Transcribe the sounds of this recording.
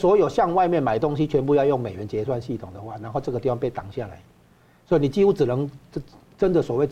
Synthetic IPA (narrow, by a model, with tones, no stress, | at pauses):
swɔ˧˥jo˨˩ʊɕjɑ˥˧ŋwa˥˧ɪmjɛ˥˩nma˨˩ɪt̪ʊ˥ŋɕi˦t͡ɕʰɥɛ˧˥np̬u˥˧jɑ˥˧ʊjʊ˥˩ŋme˨˩ɪɥɛ˧˦nt͡ɕjɛ˧swa˥˧nɕi˥˩t̪ʰʊ˨˩ŋd̪ə˩˦xwa˥˩na˧˥nxo˥˧ʈ͡ʂɤ˥˩ɡə˩t̪i˥˩fa˥ŋpe˥˩ɪt̪a̰˨˩˦ŋɕja˥˩la̰˨˦ɪ | swɔ˧˥i˨˩ni˨˩t͡ɕi˥˧hu˦˥ʈ͡ʂɻ̩˨˩nɤ˧˦ŋ˥˩ | ʈ͡ʂə˦nd̪ə˨swɔ˨˩we˥˩ɪ